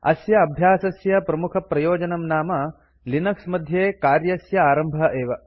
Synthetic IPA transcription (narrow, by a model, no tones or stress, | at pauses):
ɐ̰sjɐɐbʱjaːsɐsjɐpɾɐmukʰɐpɾɐjoːd͡ʒɐnɐmnaːmɐ | linɐksmɐd̪ʱjeːkaːɾjɐsjɐaːɾɐmbʱɐʔeːʋɐ